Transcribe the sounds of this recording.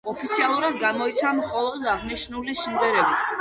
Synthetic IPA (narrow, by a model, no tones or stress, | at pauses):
ɔpʰit̪sʰialˠuɾad̪ɡamɔit̪sʰamχɔlˠɔd̪aʁniʃnulisindɛɾɛbi